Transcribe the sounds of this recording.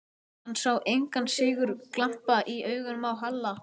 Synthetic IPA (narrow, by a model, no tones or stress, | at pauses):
ansawʔejŋkansɪːɣʏɾklam̥paʔiœːɥɣʏnmawɦalːa